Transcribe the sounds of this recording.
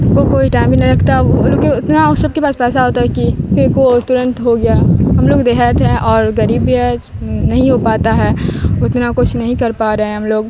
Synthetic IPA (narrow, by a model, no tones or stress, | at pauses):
kokoːiʈaːɪmbʱinãlɐɡt̪aɦɛʋolokeʊt̪naʊsːɐb̚kepaːspɛːsaɦoːt̪aɦɛkifekot̪ʊɾə̃nt̪ɦoɡɪjaːɦɐmloːɡd̪eːɦət̪ɦɛ̃ʔɔːɾɡɐɾiːbiɛ | nɐɦĩɦopaːt̪aɦɛːɪt̪nakʊt͡ʃʰnɐɦĩkɐɾpaːɾɐɦẽɦɐmloːɡ